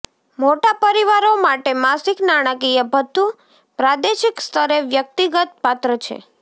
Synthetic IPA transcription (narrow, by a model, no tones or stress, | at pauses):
moʈapəɾiʋaɾomaʈemasiknaɽ̃əkijəbʱət̪ːu | pɾad̪eʃikst̪ʰəɾeʋjək̚t̪iɡət̪̚pat̪ɾət͡ʃʰḛ